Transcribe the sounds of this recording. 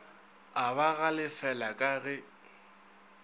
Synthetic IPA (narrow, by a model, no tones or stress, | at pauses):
aβaɣalɪfɛlakʼaɣɛ